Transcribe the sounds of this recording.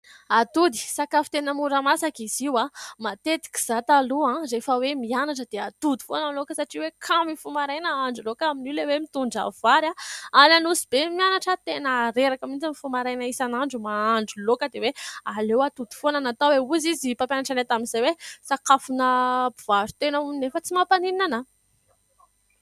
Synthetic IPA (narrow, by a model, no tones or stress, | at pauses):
at̪ud̪i̥sakafu̥t̪enəmuɾəmasakiziwamat̪et̪i̥kʲi̥z̥at̪aluãrefəwemianaʈ͡ʂəd̪̥eat̪ud̪u̥fonəlokəsaʈ͡ʂiwekʰamifumaɾajnəaɳɖ͡ʐulokaminilewemit̪uɳɖ͡ʐa̰vaɾaananuzibemianaʈ͡ʂət̪enəːɾeɾakamind͡zamifumaɾajnaisanaɳɖ͡ʐumaaɳɖ͡ʐulokəd̪ewealewat̪ud̪u̥fonanat̪aweuzizipapjanaʈ͡ʂanet̪aminzajwesakafunəbuv̥aɾu̥t̪enauinefət͡simapaniianə